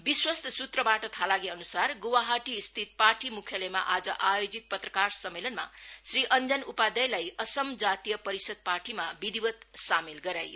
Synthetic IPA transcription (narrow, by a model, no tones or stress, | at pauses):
biswʌst̪ʌsut̪rʌbaʈʌt̪ʰalaɡiʌnusarɡowaɦaʈist̪ʰit̪̚paʈʰimukʰjʌlʌjma̰ʔad͡zʌʔajod͡zit̪̚pʌt̪rʌkarsʌmːelʌnma̰sriʔʌnd͡zʌnupad̪ʌjlajʌsʌmd͡zat̪ijʌpʌɾisʌd̪̚parʈimabid̪ibʌt̪samelɡʌɾajo